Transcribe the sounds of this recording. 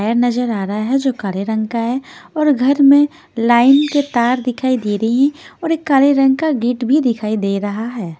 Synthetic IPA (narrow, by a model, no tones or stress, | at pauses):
ajəɾnɐzəɾaːɾɐɦaɦɛd͡ʒoːkaːleɾɐ̃ŋɡkaɦɛɔːɾɡʱɐɾmẽ | laːɪnket̪aːɾd̪ɪkʰaːid̪eːɾɐɦiɦɛ̃ɔːɾeːkːaːleɾɐ̃ŋɡkaɡiːʈbʱid̪ɪkʰaːid̪eːɾɐɦaɦɛː